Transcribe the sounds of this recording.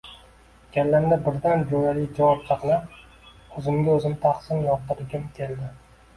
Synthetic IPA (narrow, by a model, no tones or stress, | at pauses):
kʲalːand̪abɪɾd̪and͡ʒojalɪjd͡ʒavɒp̚t̪ʰɑqlap | ɵzɪmɡʲaɵzɪmt̪ʰaχsɪnjɒt̪ɨɾɪɡʲɪmkʲʰe̞ld̪ɪ